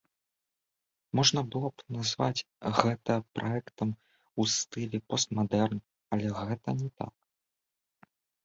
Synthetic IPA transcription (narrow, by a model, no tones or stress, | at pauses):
mɔʐnɐbɨlˠɔpnazvat͡sʲ | ɣɛt̪ɐpɾʔaɛkt̪ɐm | ust̪ɨlʲɛpɔst̪mad̪ɛrn | ɐlʲɛɣɛt̪ɐnʲɛt̪a̰k̚